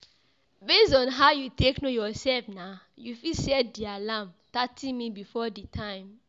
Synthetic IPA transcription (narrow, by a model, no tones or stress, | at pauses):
bestɔ̃nɦaʊjuteknojɔsɛlfna | jufisɛdialãm | tatʰĩnmibifɔditʰãɪ̃m